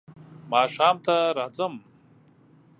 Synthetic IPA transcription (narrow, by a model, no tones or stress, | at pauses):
maːʂaːmt̪aɾaːzɐm